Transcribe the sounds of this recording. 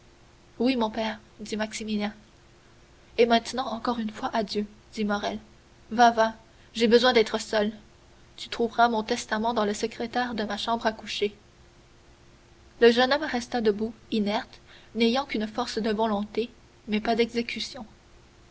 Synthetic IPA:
wimɔ̃pɛːʁ | d̪imaksimiljɛ̃ | emɛ̃t̪nɑ̃ɑ̃kɔʁynfwaʔad̪jød̪̥imɔʁɛl | vava | ʒebəzwɛ̃d̪ɛt̪χəsœl | t̪y̥t̪χuvʁamɔ̃t̪ɛst̪amɑ̃d̪ɑ̃ləsəkχet̪ɛʁd̪əmaʃɑ̃bʁakuʃe | ləʒənɔmʁɛst̪ad̪əbuinɛʁt̪nejɑ̃kynfɔʁsd̪əvɔlɔ̃t̪e | mɛpad̪ɛɡzekʲysjɔ̃

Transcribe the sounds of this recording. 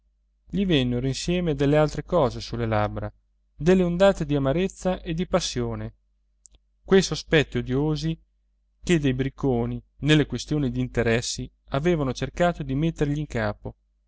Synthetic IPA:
ʎivenːeɾoinsjɛːmed̪elːealt̪ɾekɔːzesulːelabɾa | d̪elːeond̪aːt̪ed̪iamaɾet̪sːaʔed̪ipasːjoːne | kwejsospɛt̪ːiod̪joːzi | ked̪ejbɾikːoːni | nelːekwest̪joːnid̪iːnt̪eɾɛsːi | aveːvanot͡ʃerkaːt̪od̪imet̪ːerʎiːŋka̰ːpo

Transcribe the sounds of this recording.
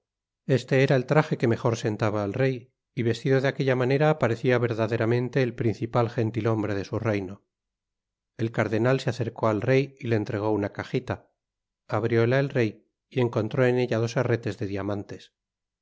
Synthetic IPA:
e̞st̪e̞eɾae̞lt̪ɾaχe̞ke̞me̞xo̞ɾse̞nt̪aβaːlre̞j | iβe̞st̪iðo̞ðeake̞ʎamane̞ɾaːpaɾe̞θiaβ̞e̞ɾðaðe̞ɾamẽ̞nt̪e̞ːlpɾinθipalxe̞nt̪ilo̞mbɾe̞ð̞e̞surejno̞ | e̞lkaɾðe̞nalseaθe̞ɾko̞alre̞jile̞ːnt̪ɾe̞ɣ̞o̞unakaχit̪a | aβɾjo̞laelre̞j | ie̞ŋko̞nt̪ɾo̞e̞ne̞ʝað̞o̞sare̞t̪e̞zðe̞ðiamãnt̪e̞s

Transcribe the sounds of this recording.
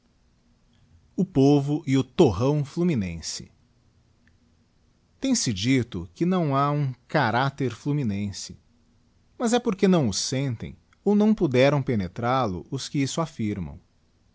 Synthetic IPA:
ʊpovʊʔɪʊt̪oɦɐ̃w̃fluminẽsɪ̰ | t̪ẽj̃sɪd͡ʒit̪ʊkɪnɐ̃w̃aũkaɾat̪eɾfluminẽsɪ̥ | mɐzɛpoɾkenɐ̃w̃ʊsẽnt̪ḛ̃j̃ | ownɐ̃w̃pud̪ɛɾɐ̃w̃penet̪ɾalʊ̰ʔʊskɪisʊafiɾmɐ̰̃w̃

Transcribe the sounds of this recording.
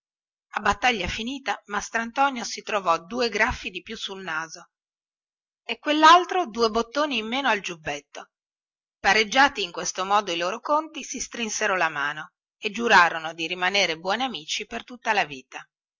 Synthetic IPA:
abːat̪ːaʎːafiniːt̪amast̪ɾant̪ɔːnjosit̪ɾovɔd̪uːeɡɾafːid̪ipjusulnaːzo | ekːwelːalt̪ɾod̪uːebot̪ːoːniːmːeːnoald͡ʒubːɛt̪ːo | paɾed͡ʒːaːt̪iːŋkwest̪omɔːd̪oiloːɾokont̪isist̪ɾinseɾolamaːno | ed͡ʒuɾaːɾonod̪iɾimaneːɾebwɔːniamiːt͡ʃipert̪ut̪ːalaviːt̪a

